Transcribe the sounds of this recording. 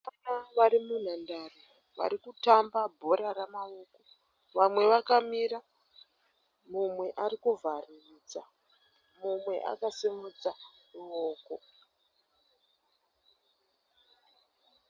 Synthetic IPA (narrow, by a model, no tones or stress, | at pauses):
anaʋaɾimun̤andaro | ʋa̰ɾikutambabʱo̞ɾaramaoko | ʋamwe̞ʋakamiɾa | mumwe̞ʔaɾikuvaririt͡sa | mumwe̞̰ʔa̰kasimut͡saruoːko